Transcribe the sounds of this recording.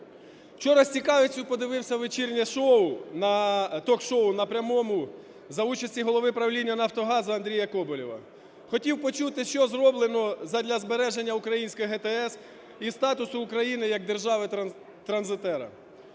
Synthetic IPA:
wt͡ʃɔɾɐsʲt͡sʲikɑʋet͡sʲʊpɔd̪ɪʋɪwsʲɐʋet͡ʃirnʲɛʃɔʊnɐt̪ɔkʃɔʊnɐpɾʲɐmɔmʊ | zɐut͡ʃɐsʲiɦɔlˠɔʋɪpɾɐwlʲinʲːɐnɐft̪ɔɦɑzɐɐnd̪ɾʲijɐkɔbɔlʲiʋɐ̰ | xɔtʲiwpɔt͡ʃut̪ɪʃt͡ʃɔzrɔblˠenɔzɐd̪ʲlʲɐzbeɾɛʒe̞nʲːɐukɾɐjinʲsʲkɔjiɦɛt̪ɛɛs | ist̪ɑt̪ʊsʊːkɾɐjinɪjɐɡ̚d̪e̞rʒɑʋɪ | t̪ɾɐnzɪt̪ɛɾɐ̰

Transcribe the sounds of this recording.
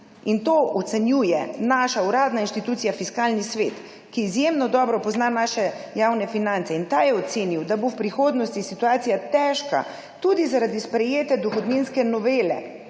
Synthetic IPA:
int̪oʔɔt̪sɛnjuːjɛnaʃauɾaːd̪nainʃt̪it̪uːt̪sijafiskaːlnisʋeːt̪ | kiːzjemnɔd̪ɔːbɾɔpɔznanaːʃɛjawnɛfinant̪ɛint̪ajɛɔt̪seːniwd̪abowpɾixoːd̪nɔst̪isit̪uaːt̪sijat̪ɛʃka̰ | t̪uːd̪izaɾad̪ispɾɛjeːt̪ɛd̪ɔxɔd̪ninskɛnɔʋeːlɛ̰

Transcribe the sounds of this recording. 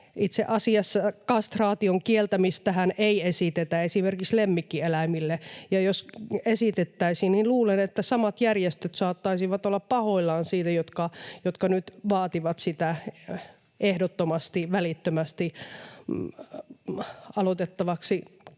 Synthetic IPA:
it̪seʔɑsiɑsːɑkɑst̪rɑːt̪ioŋkielt̪æmist̪æhænʔeiesit̪et̪æesimerkikslemːikːielæimilːejɑjosesit̪et̪ːæisininluːlenet̪ːæsɑmɑt̪jærjest̪øt̪sɑːt̪ːɑisiʋɑt̪olːɑppɑhoilːɑːnsiːt̪æjot̪kɑjot̪kɑnyt̪ʋɑːt̪iʋɑt̪sit̪æ | ʔehdot̪ːomɑst̪iʋælit̪ːømæst̪i | ɑlot̪et̪ːɑʋɑksi

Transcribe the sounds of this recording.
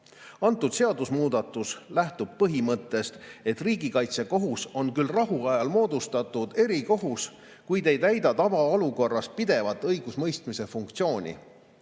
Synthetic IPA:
ɑnt̪ːˑud̪̥se̞ɑd̪̥usmuːd̪̥ɑt̪ːˑuslæht̪ub̥̚pɤɦimɤt̪ːˑe̞st̪e̞t̪ːriːɡikɑjt̪se̞ko̞ɦuso̞nkylrɑɦuɑjɑlmo̞ːd̪̥ust̪ɑt̪ːˑud̪̥e̞ɾiko̞ɦus | kujd̪e̞jt̪æjd̪ɑt̪ɑvɑo̞luko̞rːɑst̪̚pid̪e̞vɑt̪ːɤjɡ̥usmɤjst̪mise̞fuŋkt̪sio̞ːnʲḭ

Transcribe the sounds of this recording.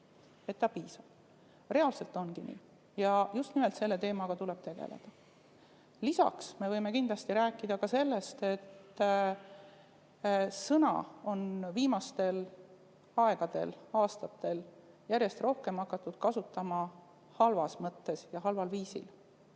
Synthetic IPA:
e̞t̪ːɑpiːsɑb̥ | re̞ɑlse̞lt̪ːˑo̞nɡinḭː | jɑjust̪nime̞lt̪se̞lːet̪e̞ːmɑɡ̥ɑt̪ule̞b̥t̪e̞ɡ̥ḛlḛd̪̥ɑ | lisɑ̰ksme̞vɤjme̞kind̪lɑst̪iɾæːkːˑid̪̥ɑkɑse̞lːe̞st̪e̞t̪ː | sɤnɑ̰o̞nviːmɑst̪e̞l | ɑe̞ɡ̥ɑd̪̥e̞̰lɑːst̪ɑt̪ːe̞l | jæɾje̞st̪ro̞hke̞mɑkːɑt̪ːˑud̪̥kɑsut̪ːˑɑmɑ | hɑlvɑsmɤt̪ːe̞sjɑɦɑlvɑlviːsḭl

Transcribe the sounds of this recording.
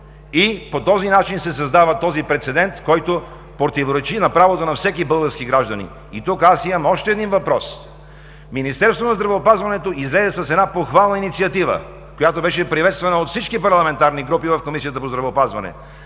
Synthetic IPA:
ipot̪ɔzinat͡ʃinsɛsɐzd̪avət̪ɔzipɾɛt̪sɛd̪ɛnt̪kɔjt̪o | pɾot̪ivoɾɛt͡ʃinɐpɾavot̪onɐfsɛkibɤlˠɡəɾskiɡɾaʒd̪ɐnḭ | it̪ukasimɐmɔʃt̪ɛɛd̪invɐpɾɔs | minist̪ɛɾst̪vonɐzd̪ɾɐvɛopazvɐnɛt̪oizlɛzɛsɐsɛd̪napoxvalˠnɐinit̪siɐt̪ivə̰ | kojat̪obɛʃɛpɾivɛt̪st̪vɐnəot̪fsit͡ʃkipɐɾlˠɐmɛnt̪aɾniɡɾupivɐfkomisijət̪əpozd̪ɾɐvɛopazvɐnɛ̰

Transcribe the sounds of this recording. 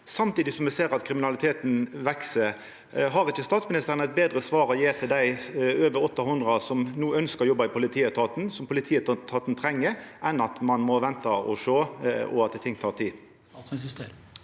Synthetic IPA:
sɑmt̪iːd̪ɪsɔmɛseːɾɑt̪kʰɾɪmɪnɑlɪt̪ʰeːt̪n̩ʋɛksəɾ | ɦɑɾɪçːəst̪ɑːt̪smɪnɪst̪əɾənæɪt̪̚beːd̪ɾəsʋɑːɾɔjeːt̪ʰɪld̪æɪøːʋəɾɔt̪ːɑhʊnd̪ʁɑsɔmnuːœnskəʁjɔbːɑɪpʰʊlɪt̪ʰiːət̪ʰɑːt̪n̩sɔmpʰʊlɪt̪ʰiːət̪ʰːɑːt̪n̩t̪ʰɾɛŋːəʔɛnɑt̪mɑnmɔʋɛnt̪ɑɔ̰ʃøːɔ̰ɑt̪̚t̪ʰɪŋːt̪ʰɑːʁt̪ʰiːd̪

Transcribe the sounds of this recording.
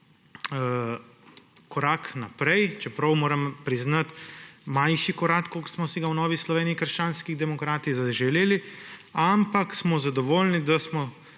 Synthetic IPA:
kɔɾaːknapɾɛjt͡ʃɛpɾɐwmoːɾɐmpɾiznat̪manʃikɔɾakkoksmɔsiɡawnɔːʋislɔʋeːniikəɾʃt͡ʃaːnskiɣd̪ɛmɔkɾaːt̪izaʒɛleːliampaksmɔzad̪ɔʋoːlnid̪asmɔ

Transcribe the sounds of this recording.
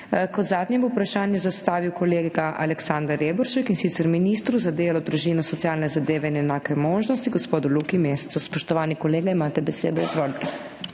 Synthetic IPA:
kɔd̪zaːd̪njɛbɔwupɾaʃaːnjɛzast̪aːʋiwkɔleːɡaʔalɛksand̪aɾeːbɔɾʃɛkinsit̪sɛɾminist̪ɾuzad̪eːlɔd̪ɾuʒiːnɔsɔt̪siaːlnɛzad̪eːʋɛinɛnaːkɛmoːʒnɔst̪iɡɔspoːd̪ɔlukimeːsɛ̥t̪suspɔʃt̪ɔʋaːnikɔleːɡaimaːt̪ɛbɛseːd̪ɔizʋoːlit̪ɛ

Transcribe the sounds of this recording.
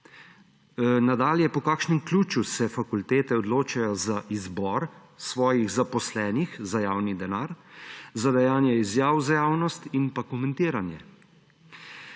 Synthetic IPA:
nad̪aːljɛpɔkaːkʃnɛmkluːt͡ʃusɛfakult̪eːt̪ɛɔd̪loːt͡ʃajɔzaʔizbɔɾ | sʋɔːjiɣzapɔslɛːnixzajaːwnid̪ɛnaːɾzad̪ɛjaːnjɛizjaːwzajaːwnɔst̪inpakɔmɛnt̪iːɾanjɛ

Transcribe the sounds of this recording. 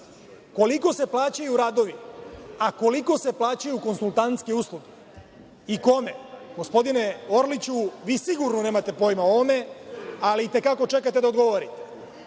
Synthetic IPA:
ko̞liko̞se̞plˠaːt͡ɕajuɾaːd̪o̞ʋiako̞liko̞se̞plˠaːt͡ɕajuko̞nsulˠt̪ant̪skiuslˠuɡi | iko̞me̞ɡ̥o̞spo̞d̪ine̞o̞ɾlit͡ɕuʋiːsiɡuɾnone̞ːmat̪e̞po̞jmaoʋome̞aliːt̪e̞kako̞t͡ʃe̞kat̪e̞d̪aod̪ɡo̞ʋoɾit̪e̥

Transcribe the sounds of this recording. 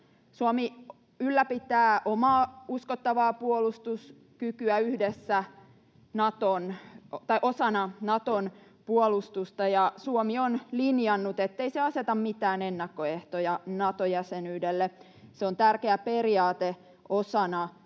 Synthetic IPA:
suomi | ylːæpit̪æːʔomɑːuskot̪ːɑʋɑːpuolust̪us | kykyæyhdesːæ | nɑt̪ont̪ɑiʔosɑnɑnɑt̪on | puolust̪ust̪ɑjɑsuomionlinjɑnːut̪et̪ːeiseɑset̪ɑmmit̪æːnenːɑkːoeht̪ojɑnɑt̪ojæsenyːdelːe | seont̪ærkeæperiɑːt̪e | ʔosɑnɑ

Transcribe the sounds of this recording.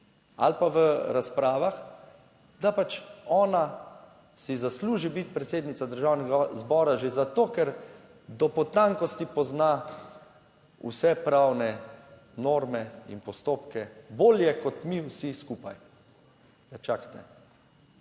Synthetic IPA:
a̰lpaʋəɾaspɾaːʋax | d̪apat͡ʃɔːna | sizasluːʒibit̪pɾɛt̪seːd̪nit̪sad̪əɾʒawnɛɡazbɔːɾaʒezat̪oːkɛɾ | d̪ɔpɔt̪aŋkɔst̪ipɔzna | ṵsɛpɾawnɛ | noɾmɛḭnpɔst̪oːpkɛboːljɛkɔt̪miwsiskuːpaj | ɡat͡ʃakt̪ɛ

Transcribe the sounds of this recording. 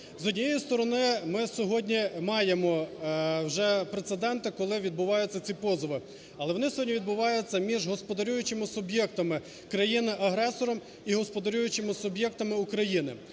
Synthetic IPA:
zɔdʲnʲijejist̪ɔɾɔnɪmɪsʲɔɦɔdʲnʲimɑjemɔ | wʒɛpɾet̪sed̪ɛnt̪ɪkɔlˠɪʋʲid̪̚bʊʋɑjʊt͡sʲːɐt͡sʲipɔzɔʋɪ | ɐlˠɛʋɔnɪsʲɔɦɔdʲnʲiʋʲid̪bʊʋɑjʊt͡sʲːɐmʲiʒɦɔspɔd̪ɐɾʲujʊt͡ʃɪmɪsʊbjɛk̚t̪ɐmɪ | kɾɐjinɪʔɐɦɾɛsɔɾɔm | iɦɔspɔd̪ɐɾʲujʊt͡ʃɪmɪsʊbjɛk̚t̪ɐmɪukɾɐjinɪ̰

